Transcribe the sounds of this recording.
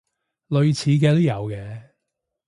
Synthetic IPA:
lɵ˨˧ɥt͡sʰiː˨˧k̬ɛː˧t̪o˥jɐ˨˧wkɛː˧

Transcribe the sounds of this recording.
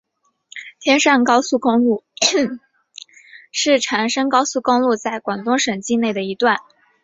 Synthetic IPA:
t̪ʰjɛ˥nʂa˥˩nkɑ˥ʊsu˥˩kʊ˥ŋlu˥˩ | ʂɻ̩˥˩ʈ͡ʂʰa˧˥nʂɤ˥ŋkɑ˥ʊsu˥˩kʊ˥ŋlu˥˧t͡sa˥˩ɪkwa˨˩ŋt̪ʊ˥ŋʂə˨˩ŋt͡ɕi˥˧ne˥˩ɪd̪ə˩i˧˥t̪wa˥˩n

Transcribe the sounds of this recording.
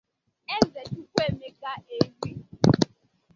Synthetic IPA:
e˦ze˨t͡ʃu˦kʷe˦˨me˦ka˦e˦ɦi˦

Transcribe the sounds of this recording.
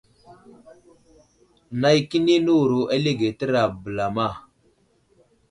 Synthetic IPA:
na˦jki˦ni˦nu˦wɾu˨ʔa˦le˦ɡe˨tə˦ɾa˨bə˨la˨ma˦˨

